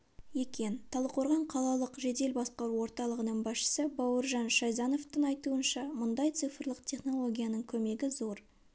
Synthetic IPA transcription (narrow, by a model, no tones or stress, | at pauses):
je̞kʲe̞nt̪ʰɑlˠəqʰo̞ɾʁɑɴqʰɑlˠɑlˠəqʒe̞d̪e̞lbɑsqɑɾuwo̞ɾt̪ɑlˠəʁənəɴbɑsʃə̥səbɑwəɾʒɑnʃɑjzɑno̞ft̪əŋɑjt̪uənʃɑmʊnd̪ɑjt̪sɨjfəɾlˠəqt̪ʲʰe̞χno̞lˠo̞ɡʲijanəɴkʲʰɵme̞ɡʲɪzo̞ɾ